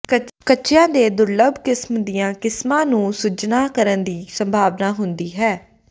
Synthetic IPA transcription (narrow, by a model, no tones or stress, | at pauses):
kəkəːʃjãːd̪eːd̪ʊɾləbʱkɪsmd̪ijãːkɪsmãːnũːsʊd͡ʒnaːkəɾənd̪iːsəmbʱaːʋnaːɦʊnd̪iːɦɛː